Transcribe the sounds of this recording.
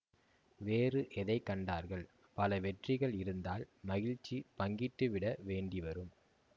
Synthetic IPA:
ʋeːrɯʔɛðɐɪkːɐɳɖaːɾɣɐɭ | pɐlɐʋɛʈrɪɣɐɭɪɾɯnd̪aːlmɐɣɪɻt͡ʃːipɐŋɡɪʈːɯʋɪɽɐʋeːɳɖiʋɐɾɯm

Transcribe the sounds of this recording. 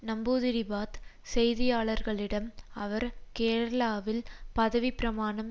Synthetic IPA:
nɐmbuːðɪɾɪbaːt̪ | sɛjðɪjaːɭɐɾɣɐɭɪɽɐmɐʋɐɾkeːɾɐlaːʋɪlpɐðɐʋipɪɾɐmaːɳɐm

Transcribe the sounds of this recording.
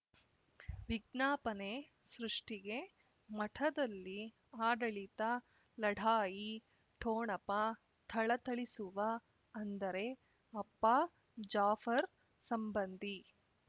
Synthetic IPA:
ʋiɡnaːpɐne | sɾuʂʈiɡe̞ | mɐʈʰɐd̪ɐlːi | aːɖɐɭit̪ɐ | lɐɽʱaːji | ʈʰoːɳɐpɐ | t̪ʰɐɭɐt̪ɐɭisuʋɐ | ɐnd̪ɐɾe̞ | ɐpːa | d͡ʒaːfɐɾ | sɐmbɐnd̪ʱi

